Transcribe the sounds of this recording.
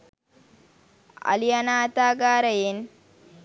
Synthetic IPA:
ɐ̰lijɐnaːt̪aːɡaːɾɐjen

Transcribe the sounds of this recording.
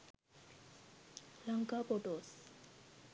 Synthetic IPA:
laŋkapoʈos

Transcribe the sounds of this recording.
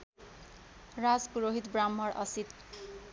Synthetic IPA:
ɹad͡zpuɹoɦit̪bɹamːɔɹʌsit̪

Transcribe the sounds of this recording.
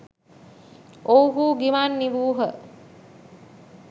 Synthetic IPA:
ʔowɦuːɡimaːnːiʋuːɦə

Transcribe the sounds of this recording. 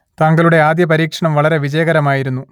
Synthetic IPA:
t̪aːŋɡɐɭuɽe̞aːd̪jɐpɐɾiːkʂɐɳɐmʋɐɭɐɾe̞ʋid͡ʑɐjɐɣɐɾɐmaːjiɾunːu

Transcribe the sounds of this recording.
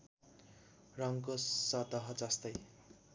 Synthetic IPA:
rʌŋkosʌt̪ʌɦʌd͡zʌst̪ʌj

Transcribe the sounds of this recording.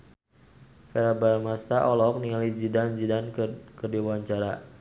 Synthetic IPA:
fɛɾabarmast̪aʔɔlɔk̚niŋalid͡ʒidand͡ʒidankədiwaɲt͡ʃaɾa

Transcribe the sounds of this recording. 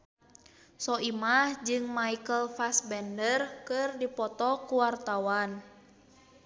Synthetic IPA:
sɔimahd͡ʒɨŋmaikəlfasbɛndərkɨrdipɔt̪ɔkuwart̪awan

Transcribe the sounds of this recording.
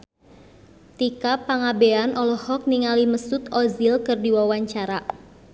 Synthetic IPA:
t̪ikapaŋabeanɔlɔhɔk̚niŋaliməsʊt̪ɔzilkɨrdiwawaɲt͡ʃaɾa

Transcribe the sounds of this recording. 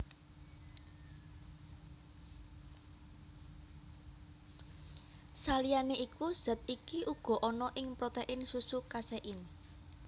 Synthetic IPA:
salijaneʔikuz̥ə̤t̪̚ikiʔuɡ̥ɔ̤ʔɔnɔʔɪŋpɾot̪eʔɪnsusukasɛʔɪn

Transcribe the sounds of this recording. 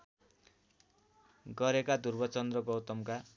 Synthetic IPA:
ɡʌɾekad̪urbʌt͡sʌnd̪rʌɡʌwt̪ʌmka

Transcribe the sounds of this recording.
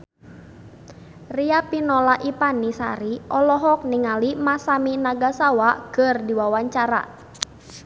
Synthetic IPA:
riapinɔlaʔipanisa̰ɾiʔɔlɔɦɔk̚niŋalimasaminaɡasawakərdiwawaɲt͡ʃaɾa̰

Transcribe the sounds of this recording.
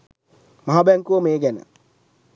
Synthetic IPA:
maɦabɛŋkuəmeːɡɛnə̰

